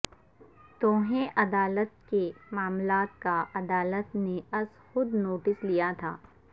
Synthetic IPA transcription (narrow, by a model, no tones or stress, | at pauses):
t̪õːɦẽʔɐd̪aːlət̪̚kemaːmlaːt̪̚kaʔɐd̪aːlət̪neɐs | xʊd̪noːʈɪslijat̪ʰa̰ː